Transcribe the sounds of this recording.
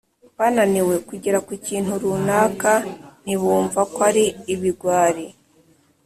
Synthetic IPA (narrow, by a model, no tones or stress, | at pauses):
βananiwe̞kuɟiɾakuciːn̥huɾunaːkan̥iβuːɱvakwaɾiːβiɡwaːɾi